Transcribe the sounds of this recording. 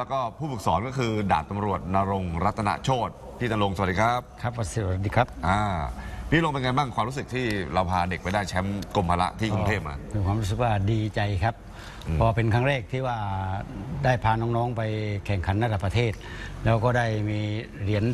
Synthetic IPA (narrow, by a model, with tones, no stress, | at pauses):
lɛː˦˥kɔː˥˩pʰuː˥˩pʰɯ˨˩k̚sɔː˩˦nkɔː˥˩kʰɯː˧da̰ː˨˩t̪ːa˧mɾu˨˩ət̪̚naː˧ɾo˧ŋɾa˦˥t̪ʰːa˧na̰˦˥t͡ɕʰoː˥˩t̪̚ | pʰiː˥˩a˧lo˧ŋsa˧˨˩diː˧kʰa˦˥p̚kʰɾa˦˥p̚ːa˧˩s̚diː˧kʰa˦˥p̚ʔaː˧˩pʰiː˥˩lo˧ŋpe˧nŋaː˧nbaː˥˩ŋkwaː˧mɾu˦˥sɯ˨˩k̚t̪ʰiː˥˩ɾa˧wpʰaː˧de˨˩k̚pa˧jdaː˥˩jt͡ɕʰɛ˦˥mko˧mpʰaː˧la̰˦˥ʔt̪ʰiː˥˩kkːu˧t̪ʰeː˧˥˩p̚ma̰ː˧mʰiː˧kʰwaː˧mɾuː˦˥s̬ɯ˨˩k̚waː˥˩diː˧t͡ɕa˧jkʰa˦˥p̚ | pʰɔː˧˩pe˧nkʰaː˥˩ŋɾɛː˥˩k̚t̪ʰiː˥˩waː˧˩ | daː˥˩jpʰaː˧nɔː˦˥ŋnɔː˦˥ŋpa˧jkʰɛ˨˩ŋkʰa˨˩˦nːa˧˩da˨˩pːɾa˧t̪ʰeː˥˩t̪̚ | lɛː˦˥wkɔː˥˩daː˥˩jmiː˧ | ɾi˩˦ən